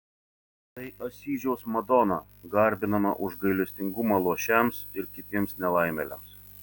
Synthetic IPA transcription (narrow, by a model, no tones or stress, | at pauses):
t̪ɐɪʔɐsʲiːʒʲɛʊsmɐd̪ɔnɑ | ɡɐɾʲbʲɪnɐmɐ̰ʔʊʒɡɐɪlʲɛsʲt̪ʲɪŋɡʊmɑːlˠuɔʃʲɛmsɪɾkʲɪt̪ʲiɛmsnʲɛlˠɐɪmʲɛlʲɛ̰ms